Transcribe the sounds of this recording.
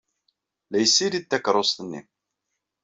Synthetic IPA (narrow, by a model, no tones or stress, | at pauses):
læjsːiɾit̪ːækɾˤosˤt̪nːḭm